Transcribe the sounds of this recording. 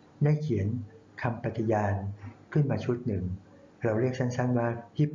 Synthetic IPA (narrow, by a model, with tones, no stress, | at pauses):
daː˥˩jkʰi˩˦ən | kʰa˧mpa˧t̪ːi˧˩jaː˧nkʰɯ˥˩nmaː˧t͡ɕʰu˦˥˩t̪̚nɯ˨˩ŋ | ɾa˧wɾi˥˩k̚sʰa˥˩nsa˥˩nwaː˥˩pʰiː˦˥˩p